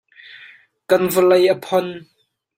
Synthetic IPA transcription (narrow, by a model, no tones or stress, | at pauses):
kɐnvəlɐjʔəpʰɔn